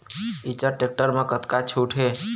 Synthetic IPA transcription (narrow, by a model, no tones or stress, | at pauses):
it͡ʃəʈek̚ʈəɾmekət̪kat͡ʃʰuʈʰe